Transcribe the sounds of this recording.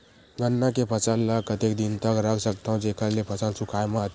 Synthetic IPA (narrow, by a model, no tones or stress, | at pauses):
ɡənːakepʰət͡ʃəlːəkət̪ekd̪int̪əkɾəksəkt̪aũd͡ʒeːkʰəɾlepʰɐt͡ʃəlsʊkʰajmət̪